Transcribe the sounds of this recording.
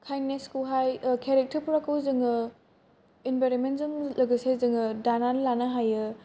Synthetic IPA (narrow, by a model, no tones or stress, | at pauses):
kʰajneskuɦajkʰeɾek̚tʰɐɾpʰuɾakːɯwzɯŋɯ | enbajɾonmentzɯŋlɐɡɯsezɯŋɯdananlanɐɦajɯ